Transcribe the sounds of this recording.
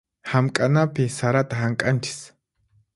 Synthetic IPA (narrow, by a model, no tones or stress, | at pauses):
hamkʼanapɪsaɾat̪aɦaŋkʼant͡ʃɪ̥s